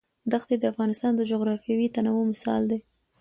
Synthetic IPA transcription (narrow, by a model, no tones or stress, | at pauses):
d̪axt̪ed̪əafɣɑnɪst̪ɑnd̪əd͡ʒoɣɾɑfijɑwit̪anawomɪsɑ̰ld̪e